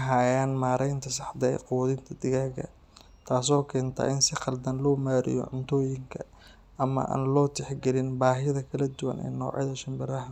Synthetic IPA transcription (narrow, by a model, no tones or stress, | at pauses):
ɦaːjanmaːɾʔɛjnt̪ʰɐsɑħd̪ɐ̰qʊːðɪnt̪ʰɐd̪ɪɣaːɡɐ̰ | t̪ʰaːsɔːkʰɛːnt̪ʰɐ̰ʔɪnsɪqɑld̪ɐnlɔːmaːɾɪ̰jɔ̰ʕʊnt̪ʰɔːjɪŋkʰɐ | ɐmɐ̰ʔa̰ːnlɔːt̪ʰɛħɡɛlɪnbaːɦɪðɐkʰɐlɐd̪ʊwɐ̰nɛ̰ːnɔ̰ːʕɪðɐʃɐmbɪɾɐɦɐ